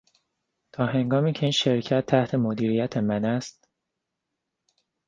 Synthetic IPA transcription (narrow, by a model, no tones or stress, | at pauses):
t̪ʰɒːɦe̞ŋɡɒːmiːcʰeiːnʃe̞ɾcʰæt̪ʰːæht̪ʰe̞mod̪iːɾiːjæt̪ʰe̞mænæst̪̚